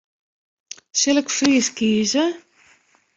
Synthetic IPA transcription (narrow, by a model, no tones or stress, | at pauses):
sɛləkfriːskiːzə